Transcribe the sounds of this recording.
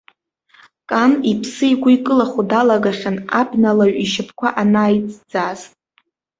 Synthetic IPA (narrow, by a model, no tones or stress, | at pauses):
kʼanipʰsɨiɡʷʊikʼɨlaχudalaɡaχʲana̰pʰnalaɥiʃɪpʰkʷʰaʔanaːjt͡sʼd͡zaz